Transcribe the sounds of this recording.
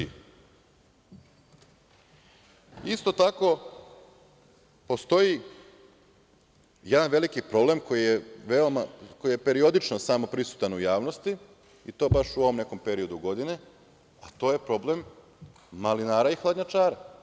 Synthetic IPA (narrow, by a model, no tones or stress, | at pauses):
ist̪o̞t̪ako̞ | po̞st̪o̞ji | jed̪anʋe̞likipɾo̞ble̞mko̞jijeʋeo̞mako̞jijepe̞ɾiod̪it͡ʃnosamo̞pɾisu̥t̪anujaːʋno̞st̪i | it̪o̞ːbaʃuoʋo̞mne̞ko̞mpe̞ɾio̞d̪uɡo̞d̪ine̞ | at̪o̞ːje̞pɾo̞ble̞mː | alinaːɾaixlˠad̪ɲat͡ʃaːɾa